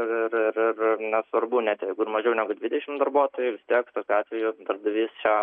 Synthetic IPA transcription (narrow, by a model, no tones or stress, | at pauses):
ɪɪrɪrɪrɪnʲɛsʋɐrbuːnʲæt̪ʲjɛɪɡʊɪrmɐʒʲɛʊnʲæːɡʊd̪ʲʋʲɪd̪ʲɛʃʲɪmd̪ɐrbuɔt̪oːjʊʋʲɪst̪ʲiɛkt̪oːkʲʊɑːt̪ʲʋʲɛjʊd̪ɐɾd̪ɐʋʲiːst͡ʃʲɛ